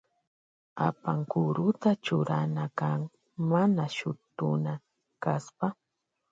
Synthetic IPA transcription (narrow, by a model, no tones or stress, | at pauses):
a̰paŋkʊɾʊt̪at͡ʃʊɾanakaŋ | manaʃʊt̪ʊna | kaspa